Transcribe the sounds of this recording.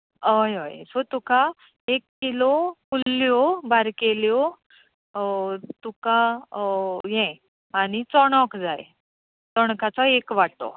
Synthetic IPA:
əjɦə̰jsot̪uka | ekːilɔkulːjɔbaɾkeljɔ | t̪uka | jɛ̃ | añit͡sɔɽ̃ɔkd͡za̰j | t͡sɔɳ̃kat͡sɔekʋaʈt̪o̰

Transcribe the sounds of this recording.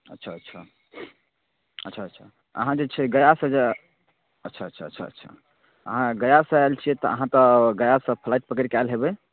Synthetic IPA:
ətːʃʰaətːʃʰa | ətːʃʰaəːt͡ʃʰa | ə̰ɦãd͡ʒet͡ʃʰɛɡəjasə̃d͡ʒe | ətːʃʰaətːʃʰaə̰tːʃʰa̰ə̰tːʃʰa̰ | əɦãɡəjasə̃elt͡ʃʰijɛt̪ɔəɦãt̪ɔɡəjasə̃pʰlajt̪̚pəkəɾikalɦebɛ

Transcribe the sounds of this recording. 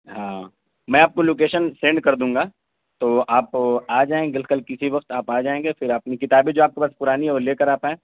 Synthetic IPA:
ɦãː | mɛ̃ːaːp̚koloːk̬eːʃənsẽːɳɖ̚kɐɾd̪ũːŋɡaː | t̪oːʔaːpaːd͡ʒaːẽːɡɪlkəlkɪsiʋɐqt̪aːpaːd͡ʒaːẽːŋɡefɪɾɐpnikɪt̪aːbed͡ʒoːaːp̚kepaːspʊɾaːniɦɛoːɾleːkəɾaːpɦɛ̃ː

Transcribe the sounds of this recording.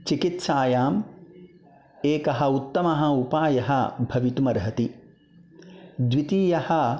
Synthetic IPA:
t͡ʃikit̪saːjaːm | eːkɐɦɐut̪ːɐmɐɦɐupaːjɐɦɐbʱɐʋit̪umɐɾɦɐt̪i | d̪ʋit̪iːjɐhɐ

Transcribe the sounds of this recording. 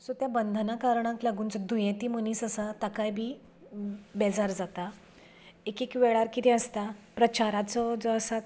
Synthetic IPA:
sot̪jabənd̪ʱənakaɾɳãklaɡuːnt͡sɔd̪ʱujẽt̪iːməniːsəsat̪akajbʱiː | bɛd͡zaɾd͡zat̪a | ekekʋɛɭaɾkit̪ɛəst̪apɾət͡ɕaɾat͡sɔd͡zɔəsat̪

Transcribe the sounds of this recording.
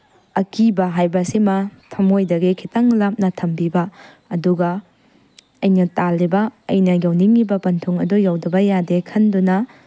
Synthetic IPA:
ɐkibɐɦajbɐsimɐtʰɐmojdɐɡekʰitɐŋlap̚nɐtʰɐmbibɐː | duɡɐ | ɐjnɐtalːibɐɐjnɐjɐwniŋibɐpɐntʰuŋɐdujawdɐbɐjadekʰɐndunɐ

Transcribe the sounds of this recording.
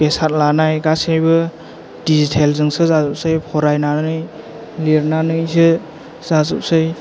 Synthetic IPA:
besat̚lanajɡasejbɯ | dizitʰelzɯŋsɯzazɔp̚sɯjpʰɔɾajnanɯj | liɾnanɯjsɯ | z̥azɯp̚sɯj

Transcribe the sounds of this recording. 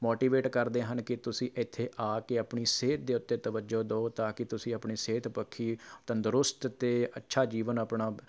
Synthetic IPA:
moːʈiːʋeːʈkəɾd̪eːɦənkɪt̪ʊsĩːʔɪt̪ʰːeːʔaːkeapɳiːseːt̪̚d̪eːʊt̪ːeːt̪əʋəd͡ʒoːd̪ooːt̪aːkɪt̪ʊsĩːəpɳiːseːt̪pəkʰːiːt̪ənd̪ʊɾʊst̪t̪eːətːʃʰaːd͡ʒiːʋənəpɳaː

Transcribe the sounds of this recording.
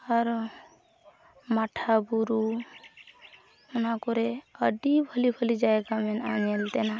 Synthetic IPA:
aɾ | maʈʰabuɾu | ʊnakɔɾɛəɖibʱəlibʱəlid͡ʒaeɡamɛnaɲelt̪ɛna

